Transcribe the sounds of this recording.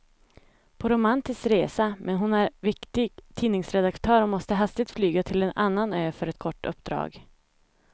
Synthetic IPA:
pʰɔɾʊmant̪ɪskɾeːsamʔɛnɦʊnæɾvɪkt̪ɪɡt̪ʰiːnɪŋsɾɛd̪akt̪ʰœːɾɔmɔst̪əɦast̪ɪɡ̚t̪flyːɡat̪ʰɪlɛna̰nːanøːfœɾɛt̪kʰɔʈːɵ̰pːd̪ɾɑ̰ːɡ

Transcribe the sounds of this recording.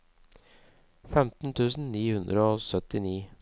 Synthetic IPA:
fɛmt̪n̩t̪ʰʉːsn̩niːhʉnd̪ɾəoːsœt̪ɪniː

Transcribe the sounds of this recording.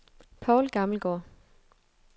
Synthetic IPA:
pʰɑʊlɡ̥ɑ̈ml̩ɡ̥ɒ̰ː

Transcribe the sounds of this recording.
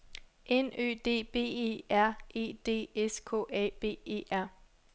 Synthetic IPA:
ʔenø̰ːd̥e̝̰ːb̥e̝̰ːḛæɐ̰ʔe̝̰ːd̥e̝̰ːeskʰɔ̰ːɛ̰ːb̥e̝̰ːe̝̰ːʔæɐ̰

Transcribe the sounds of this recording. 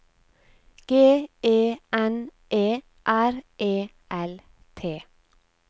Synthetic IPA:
ɡ̥eːeːʔɛn | ʔeː | ʔæɾʔeː | ʔɛl | t̪ʰeː

